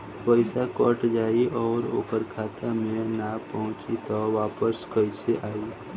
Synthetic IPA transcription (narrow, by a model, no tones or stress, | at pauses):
pəɪsakɔʈd͡ʒaːiɔːɾoːkəɾkʰaːt̪ʰamẽnapəɦʊ̃t͡ʃit̪ɔʋaːpəskəɪseʔaːiː